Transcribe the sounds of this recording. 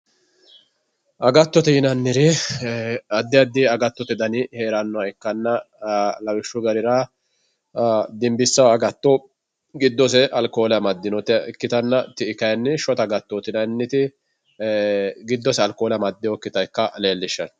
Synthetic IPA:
ʔɐɡɐt̪ːɔt̪ɛjɪnɐnːɪɾɪ | ɐd̪ːɪɐd̪ːɪɐɡɐt̪ːɔt̪ɛd̪ɐnɪheːɾɐnːɔɐɛkːɐnːɐ | lɐwɪʃːʊɡɐɾɪɾa | d̪ɪmbɪsːɐwɐɡɐt̪ːɔ | ɡɪd̪ːɔsɛʔɐlkoːlɛɐmɐd̪ːɪnɔt̪kːɪt̪ɐnːɐt̪ːɪːkɐjɐnːɪʃɔt̪ɐɡɐt̪ːɔt̪ɪnɐnːɪt̪ɪ | ɡɪd̪ːɔsɛɐlkoːlɐmɐd̪ːɪjɔkːɪt̪ɐjkːɐle̞ːlːɪʃːɐn

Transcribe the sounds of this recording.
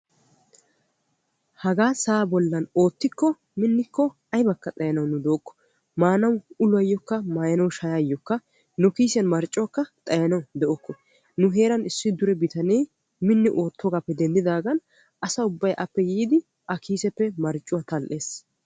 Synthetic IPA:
hɐɡaːsaːbɔlːɐno̞ːt̪ːɪkːɔ | mɪnːɪkːɔ | ɐjbɐkːɐt̪ʼɐjɐnɐwnʊd̪oːkːɔ̥ | maːnɐwʊlʊɐjːɔkːɐmaːjɐnɐwʃɐjaːjːɔkːɐ | nʊkiːsɪjɐnmɐɾt͡ʃʼːʊwɐkːɐt̪ʼɐjɐnɐwd̪ɛʔɔkːɔ | nʊɦe̞ːɾɐnɪsːɪd̪ʊɾɛbɪt̪ɐnej | mɪnːɪʔo̞ːt̪ʰːɔɡapːɛd̪ɛnd̪ɪd̪aːɡɐn | ɐsɐʊbːɐjʔɐpːɛjiːd̪ɪ | ʔɐkʰiːsɛpːɛmɐɾt͡ʃʼːʊwat̪ɐlʔe̞ːs

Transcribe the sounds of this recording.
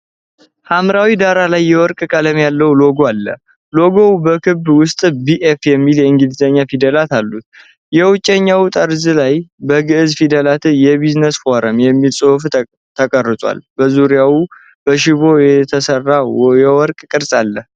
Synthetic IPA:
hamɾawid̪aɾalajːɛwɔɾkʼkʼələmjalːəwlo̞ɡoalːə̰ | lo̞ɡo̞wbəkʰɨbwʊst̪ʼbiʔefjɛmːiljɛɨŋɡɨlzəɲːafid̪əlat̪alːut̪̚ | jɛwʊt͡ʃʼːɛɲːawt̪ʼəɾzɨlajbəɡɨʔɨzfid̪əlat̪ɨjɛβiznəsfoɾəmjɛmːilsʼof | t̪ʰəkʼərːɨt̪ʼwa̰lb̥əzuɾijawu | b̥əʃiβo̞jɛt̪ʰəsərːajɛwɔɾkʼkʼɨɾsʼalːə

